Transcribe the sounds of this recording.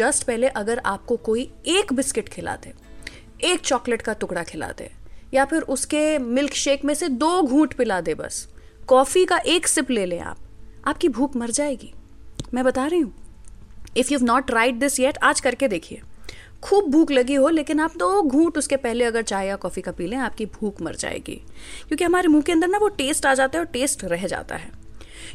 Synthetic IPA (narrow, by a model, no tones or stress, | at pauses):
d͡ʒɐsʈpɛɦleʔɐɡəɾaːp̚kokoːieːkbɪskɪʈkʰɪla̰ːt̪eː | eːk̚t͡ʃɔːkləʈkat̪ʊkɽakʰɪla̰ːt̪ḛjapʰɪɾʔʊskemɪlkʃeːkmẽsed̪oːɡʱũːʈpɪlaːd̪ẽbɐ̰s | kɔːfikaʔeːksɪpleːlẽḛ̃a̰ːp̚aːp̚kibʱuːkmɐɾd͡ʒaːeːɡiː | mɛ̃ːbɐt̪aːɾəɦiɦũː | ɪfjuːʋnɔːʈɾaːɪʈ̚d̪ɪsjɛʈaːd͡ʒkɐɾked̪eːkʰiḛː | kʰuːb̚bʱuːklɐɡiɦoleːkɪnaːp̚d̪oːɡʱũːʈʊskepɛɦleɐɡəɾt͡ʃaːɦeɡakɔːfikapiːlẽaːp̚kibʱuːkmɐ̰ɾd͡ʒa̰ːḛːɡḭːkjõːkiɦɐmaːɾemũːkeɐ̃nd̪əɾnaʋoʈeːsʈaːd͡ʒaːt̪aɦɛɔːɾʈeːsʈɾɛɦd͡ʒa̰ːt̪a̰ɦɛː